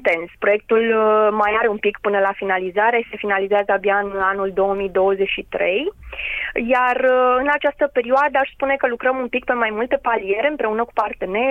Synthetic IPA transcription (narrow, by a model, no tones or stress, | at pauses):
t̪e̞nspɾo̞jek̚t̪ulmajaɾe̞umpikpɨnəlafinalizaɾese̞finalizeazəabjaɨnanuld̪o̞wəmijd̪o̞wəzet͡ʃʃit̪ɾe̞j | jarɨnat͡ʃast̪əpe̞ɾioad̪əaʃʲspune̞kəlukɾəmumpik̚pe̞majmult̪epalije̞ɾeɨmpɾe̞unəku̥part̪e̞ne̞